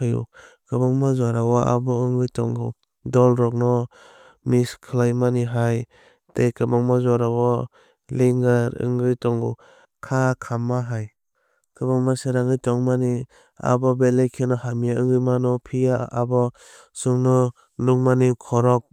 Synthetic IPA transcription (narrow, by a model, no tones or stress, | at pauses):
ajṵ | kɯbaŋmazaɾawaa̰bɔɯŋɡɯjtɔŋɡɯ | dɔlɾɔk̚nɔ | miskʰɯlajmaniɦaj | tejkɯbaŋmazaɾawa | liŋɡaɾɯ̰ŋɡɯjtɔŋɡɯ | kʰakʰamːaɦaj | kɯbaŋmaseɾaŋɯjtɔŋmani | a̰bɔbelejkʰenɔhamijaɯŋɡɯjmanɔpʰijaːbɔ | suŋnɔ | nuŋmanikʰɔɾɔk̚